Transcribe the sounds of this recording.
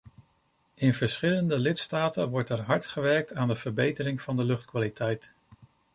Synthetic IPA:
ɪnv̥əɹsχɪləndəlɪtstaːtənʋɔɹtɛɹɦɑɹtχəʋɛɹk̚taːndəv̥əɹbejtəɾɪŋv̥ɑndəlɵχtkʋaːlitʰɛjt

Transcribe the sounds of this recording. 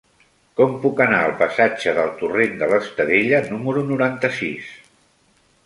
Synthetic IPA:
kɔmpukənaəlˠpəsad͡ʒəðəlˠt̪urend̪ələst̪əðeʎənuməɾunuɾant̪əsis

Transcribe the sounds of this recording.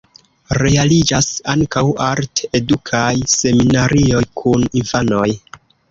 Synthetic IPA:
ɾe̞alid͡ʒasaŋkawaɾte̞dukʰajse̞minaɾʔio̞jkʰuninfano̞j

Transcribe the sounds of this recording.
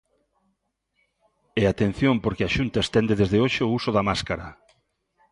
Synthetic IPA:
eat̪en̟θjompoɾkɪaʃunt̪aest̪ɛnd̪eðezðeoʃeousʊðɐmaskaɾɐ

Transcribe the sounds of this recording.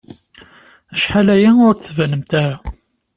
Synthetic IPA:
æʃħalæjæʊɾtθvænəmt̪æɾa

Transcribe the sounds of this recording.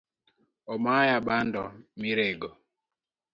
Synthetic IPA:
ɔmajaɓandɔmiɾeɡo

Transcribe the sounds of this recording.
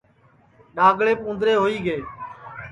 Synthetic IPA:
ɗaːɡɭeːpũːnd̪ɾeːɦoːiːɡeː

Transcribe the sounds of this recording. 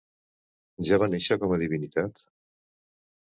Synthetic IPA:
ʒaβaneʃəkɔməðiβinit̪at̪

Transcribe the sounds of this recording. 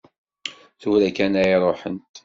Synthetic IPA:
θuɾækænæjɾˤoħənt̪

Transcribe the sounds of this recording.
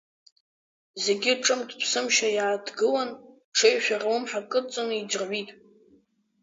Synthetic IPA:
ze̞ɡʲɪʈ͡ʂʼɨmdʰpʰsɨmʃajaːdɡɨlan | ʈ͡ʂʰejʃᶣarawɨmħakʼɨt͡sʼɨnid͡ʒrʕʷitʼ

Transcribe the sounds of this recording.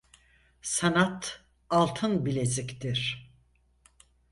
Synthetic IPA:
sanat̪ | alˠt̪ʰɯnbilʲezikt̪iɾ̥

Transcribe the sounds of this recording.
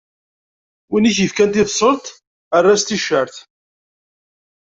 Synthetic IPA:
winiçjəfkænt̪ɪfsˤəlt̪ | ərˤːast̪iʃːəɾθ

